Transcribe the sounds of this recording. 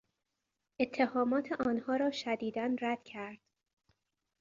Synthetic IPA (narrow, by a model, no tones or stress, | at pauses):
ʔe̞t̪ʰːehɒːmɒːt̪ʰeʔɒːnhɒːɾɒːʃæd̪iːd̪ænɾæd̪̥cʰæɾd̪̥